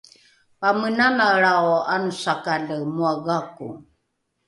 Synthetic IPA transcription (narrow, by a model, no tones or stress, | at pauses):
pamənanaɾaoanusakaɮəmuaɣakṵ